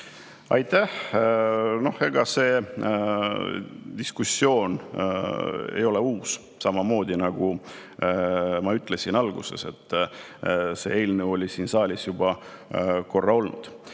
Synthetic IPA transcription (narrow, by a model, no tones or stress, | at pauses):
ɑjt̪æh | no̞he̞ɡ̥ɑse̞ː | d̪̥iskusːjo̞ːn | e̞̰jo̞le̞uːs | sɑmɑmo̞ːd̪ʲinɑɡ̥u | mɑyt̪ːˑle̞sinɑlɡ̥use̞̰se̞t̪ːˑ | se̞̰e̞jlnewo̞lʲisiːnsɑːlʲisjub̥ɑ | ko̞rːɑo̞lnṵd̪̥